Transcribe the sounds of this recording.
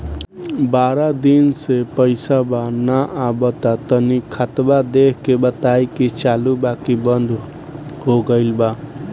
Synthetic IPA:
baɾad̪insepəɪsabanaʔabət̪at̪ənikʰat̪bad̪ekkebət̪ajkit͡ʃalubakibənd̪ʱ | ɦoɡəɪlba

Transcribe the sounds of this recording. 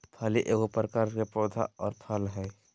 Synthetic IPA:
p̪ʰaliʔeːɡopɾəkaɾkepɾoːd̪ʱa̰ɔːɾpʰəlɦɛ

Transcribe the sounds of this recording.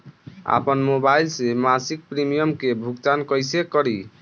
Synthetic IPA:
a̰pənmobailsemasik̚pɾimijəmkebʱuktankɔjsekɔɾi

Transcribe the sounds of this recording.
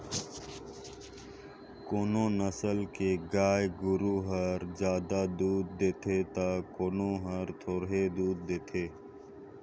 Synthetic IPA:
koːnõːnəsəlkeɡaːjɡʊɾuːɦəɾzjaːd̪aːd̪uːd̪̚d̪eːt̪ʰeːt̪aːkoːnõːɦəɾt̪ʰoːɾɦed̪uːd̪̚d̪eːt̪ʰeː

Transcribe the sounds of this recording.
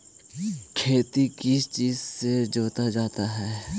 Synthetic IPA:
kʰeːt̪ikɪt͡ʃiːzsed͡ʒoːt̪ad͡ʒaːt̪aɦɛː

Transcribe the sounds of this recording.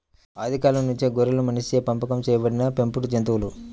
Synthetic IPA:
aːd̪ʱikaːlɐmnuɲt͡ʃeɡɔɾɐlumɐniseːpɐmpɐkɐmt͡ʃɛːjɐbɐɽinɐpe̞mpuɽud͡ʒɐnt̪̬uʋulu

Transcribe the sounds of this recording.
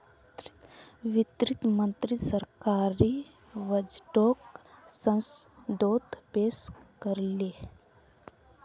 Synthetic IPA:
ʋit̪ɾit̪mə̃nt̪ɾisəɾkaːɾi | ʋəd͡ʒʈoksə̃nsd̪oːt̪peskəɾle

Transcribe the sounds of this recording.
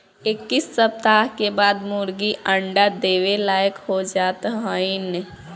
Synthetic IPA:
ɪkːisːəp̚t̪aɦkebaːd̪muɾɡiəɳɖad̪eːʋelaːjəkhod͡ʒaːt̪ɦəin

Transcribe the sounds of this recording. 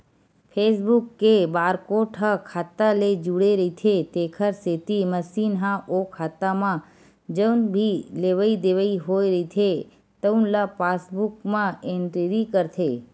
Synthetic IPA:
pʰes̬bukːebaːɾkoʈʰəkʰaːt̪aled͡ʒuɽeɾəit̪ʰet̪ekʰəɾset̪iməsinɦãʔokʰaːt̪amã | d͡ʒəwnbʱileʋəid̪eʋəiɦoiɾəit̪ʰe | t̪əunlapasbukmãeɳʈiɾikəɾt̪ʰe

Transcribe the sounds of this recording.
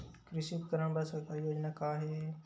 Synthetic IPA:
kɾɪsiːpkɐɾəɳ̃bɐsɐkajoːd͡ʒnakaːɦe

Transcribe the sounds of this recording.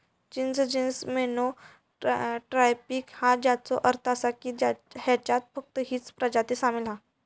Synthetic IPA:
t͡ɕinsd͡ʑinsmeno | ʈɾajpiːkhad͡ʑat͡sɔʔəɾt̪ʰasakid͡ʑaɦat͡ɕat̪̚fək̚t̪əɦiːt͡spɾəd͡ʑat̪esamilã

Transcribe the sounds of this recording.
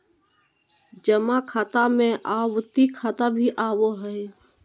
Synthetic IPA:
d͡ʒəmãkʰaːt̪amẽʔaːwt̪ikʰaːt̪abʱiʔaːwoɦəj

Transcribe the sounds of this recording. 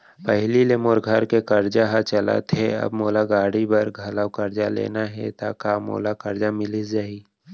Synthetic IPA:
pɛɦlilemoːɾɡʱɐɾkekɐɾd͡ʒaɦat͡ʃɐla̰t̪ʰeɐ̰bmoːlaɡaːɽibɐɾɡʱɐləwkəɾd͡ʒalḛːnaɦɛ̰t̪akaːmo̰ːlakɐɾd͡ʒamɪlisd͡ʒaːiː

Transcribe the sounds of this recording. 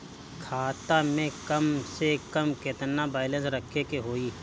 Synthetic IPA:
kʰaːt̪amẽkɐmsekəmket̪nabaːɪlə̃nsɾəkʰekeɦoːiː

